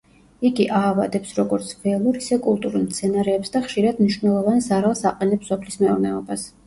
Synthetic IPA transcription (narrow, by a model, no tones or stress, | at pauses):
iɡiʔaːvad̪ɛpsɾɔɡɔɾt̪sʰvɛlˠuɾisɛkʼulˠt̪ʼuɾulˠmt̪sʰɛnaɾɛːpsd̪aχʃiɾad̪mniʃvnɛlˠɔvansaɾalˠsaqʼɛnɛpsɔpʰlismɛuɾnɛɔbas